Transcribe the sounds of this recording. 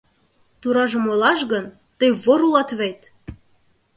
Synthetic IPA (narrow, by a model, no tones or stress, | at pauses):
t̪uɾɑʒə̆molɑʃɣən | t̪əjβoɾulɑt̪βejt̪